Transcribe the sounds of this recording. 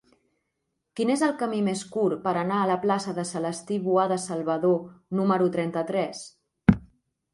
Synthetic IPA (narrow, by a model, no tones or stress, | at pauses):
kinezəlˠkəmimeskuɾpəɾənaələplasəðəsələst̪iβuaðəsəlˠβəðonuməɾut̪ɾɛnt̪ət̪ɾɛs